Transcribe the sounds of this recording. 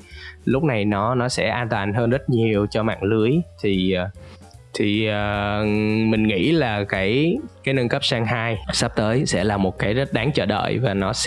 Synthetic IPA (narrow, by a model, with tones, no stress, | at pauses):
lʊ˦˥k͡p̚na˨˩jnɔ˨˦nɔ˨˦sɛ̰˧˥ʔaː˧nt̪waː˨˩nɦəː˧nzə˦˥t̚ɲi˨˩əwt͡ɕɔ˧ma̰ː˧˨ŋlɨ˨˦əjt̪ʰi˨˩aː˨˩ | t̪ʰi˨˩aː˨˩ | mï˨˩ŋ̟ŋḭ˧˥laː˨˩kaː˨˦jkaː˨˦jnə˧nkə˦˥p̚saː˧ŋɦaː˧jsa˦˥p̚t̪əː˨˦jsɛ̰˧˥laː˨˩mo˨˩t̚kaː˨˦jzə˦˥t̚ɗaː˨˦ŋt͡ɕəː˧˩ɗə̰ː˧˨jvaː˨˩nɔ˨˦s